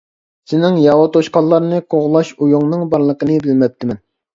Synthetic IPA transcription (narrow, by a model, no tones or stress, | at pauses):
sɪnɪŋjɑwɑt̪ʰoʃqɑlˠːɑɾnɨqʰoʁlˠɑʃujuŋnɨŋbɑɾlˠəqənɨbɪlmɛp̚t̪ʰːɪmɛn